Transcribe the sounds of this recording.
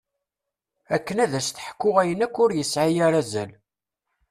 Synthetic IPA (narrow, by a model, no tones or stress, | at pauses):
ækːənæðæst̪əħkːʊʁæjənækːʊɾjəsʕajæɾæzæl